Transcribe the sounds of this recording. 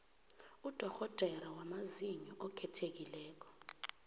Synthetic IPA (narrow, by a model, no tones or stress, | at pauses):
ud̥ʱɔxɔd̥ʱɛɾawamaziɲɔʔɔkʰɛtʰek̬ilɛːk̬ɔ̥